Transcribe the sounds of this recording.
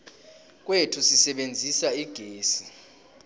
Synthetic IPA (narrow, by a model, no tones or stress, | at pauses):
k̬wetʰusisɛɓend͡zʱisaiɡ̥ʱeːsi